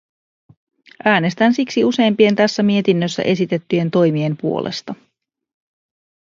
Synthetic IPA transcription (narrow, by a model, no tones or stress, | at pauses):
ʔæːne̞st̪ænsiksiuse̞ːmpie̞nt̪æsːæmie̞t̪inːøsːæ̰ʔe̞sit̪e̞t̪ːyje̞nt̪o̞jmie̞mpuo̞̰lʔḛst̪ɑ